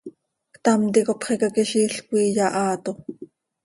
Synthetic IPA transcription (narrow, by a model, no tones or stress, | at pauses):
kt̪ɑmt̪ikopχikɑkiʃiːɬkʷiːjɑʔɑːt̪o